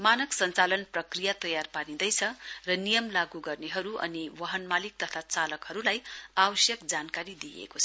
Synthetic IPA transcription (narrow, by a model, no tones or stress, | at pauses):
manʌksʌnt͡salʌnprʌkrijat̪ʌjarpanĩd̪ʌjt͡sʰʌrʌnijʌmlaɡuɡʌrneɦʌɾuʔʌ̰niwʌɦʌnmalik̚t̪ʌt̪ʰat͡salʌkhʌɾulajawʌsjʌkd͡zankaɾid̪ijḛkot͡sʰʌ